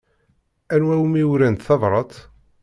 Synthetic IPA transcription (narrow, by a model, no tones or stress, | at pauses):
ænwæwmiwɾænt̪θɑðˤɾˤɑt̪ˤ